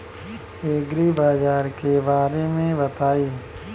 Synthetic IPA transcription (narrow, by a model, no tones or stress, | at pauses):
eːɡɾibaːd͡ʒaːɾkebaːɾemẽbɐt̪aːiː